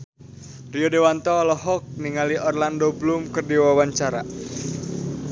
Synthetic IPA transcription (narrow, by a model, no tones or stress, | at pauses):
riɔdewant̪ɔlɔɦɔk̚niŋaliʔɔrlandoblumkərdiwawaɲt͡ʃaɾa